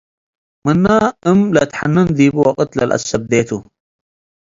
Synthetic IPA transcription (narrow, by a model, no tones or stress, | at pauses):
mənːaːɨmlɐt̪ħa̰nːɨnd̪iːbɨwɐqʼət̪lɐ̰lʔɐ̰sːɐb̚d̪eːt̪ʰu